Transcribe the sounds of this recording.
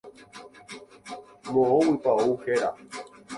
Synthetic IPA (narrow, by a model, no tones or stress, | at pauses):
mõowipaouxeɾa̰